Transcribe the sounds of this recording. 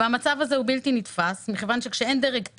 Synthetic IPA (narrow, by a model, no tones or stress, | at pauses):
amat͡savazeubilt̪init̪fasmiχevanʃe̞kʃeend̪eʁek